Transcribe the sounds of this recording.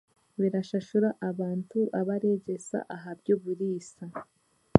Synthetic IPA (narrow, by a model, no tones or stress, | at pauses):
βiɾaʃaʃuɾaʔaβaːntuʔaβaɾeɟe̞sa̰ʔaɦabjoβuɾiːsa